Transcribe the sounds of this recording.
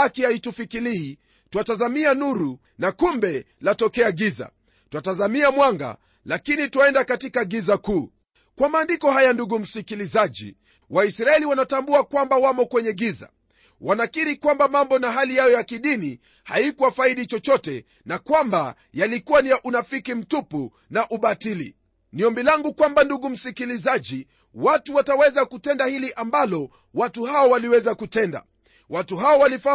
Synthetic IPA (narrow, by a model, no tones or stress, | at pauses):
akihaitufikiliː | tuatazamianuɾu | nakumbɛlatɔkɛaɡiza̰ | tuatazamiamwaŋɡa̰ | lakinitwaɛndakatikaɡizakuː | kwamaːndikɔhajanduɡum̩sikilizaʄḭ | waisɾaɛliwanatambuakwambawamɔkwɛɲɛɡiza̰ | wanakiɾikwambamambɔnaɦalijajɔjakiɗini | haikuwafaiɗit͡ʃɔt͡ʃɔtɛ | nakwamba | jalikuwanijaʔunafikim̩tupu | naʔuɓatilḭ | niɔmbilaŋɡukwambanduɡum̩sikilizaʄi | watuwatawɛzakutɛndahiliʔambalɔ | watuhaɔwaliwɛzakutɛnda̰ | watuɦaɔwalifa